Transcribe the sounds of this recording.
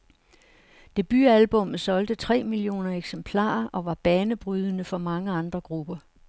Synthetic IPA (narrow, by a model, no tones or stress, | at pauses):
d̥e̝b̥yælb̥ɔ̽mð̩ˠsɒ̽ld̥ət͡sʰʁɛ̰ːmilio̝̰ːnɐeɡ̥sempʰlɑ̰̈ːʔɒ̽ʋɑ̈b̥ɛːnəb̥ʁyð̞ˠənəfɒ̽mɑ̈ŋəɑ̈nd̥ʁɐɡ̥ʁub̥ɐ